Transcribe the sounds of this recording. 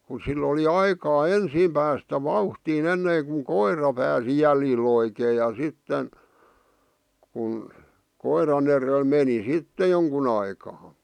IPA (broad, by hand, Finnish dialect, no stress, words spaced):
ku silː oli ɑikɑː ensiːm pæːstæ ʋɑuhtiːn enːeːŋkuŋ koirɑ pæːsi jæljil oikeː jɑ sitːen kun koirɑn erel meni sitːe joŋkun ɑikɑː